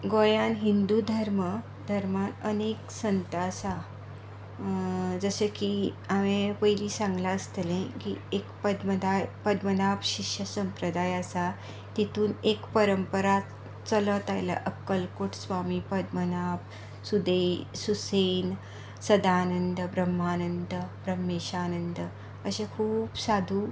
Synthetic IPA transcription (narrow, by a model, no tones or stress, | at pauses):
ɡojanɦind̪uːd̪ʱəɾmə | d̪ʱəɾmanəneksənt̪asa | d͡zəsəki | aʋẽpəjliːsãŋɡlaəst̪əlẽkḭekpəd̪məd̪ajpəd̪mənabɕiɕjəsəmpɾəd̪ajasa | t̪it̪uːnekpəɾəmpəɾa | t͡sələt̪ajla̰ʔəkːəlkoʈsʋamiːpəd̪mənab | sud̪ejsusen | səd̪aːnənd̪əbɾəmɦaːnənd̪əbɾəmːeɕaːnənd̪ə | əɕekʰuːpsad̪ʱuː